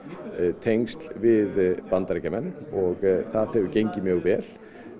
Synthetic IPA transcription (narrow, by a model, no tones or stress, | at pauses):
t̪ʰejŋst̪l̥vɪðpant̪aɾejcamɛnːɔɣθaðhɛvʏcejɲcɪmjœːɣvɛːl̥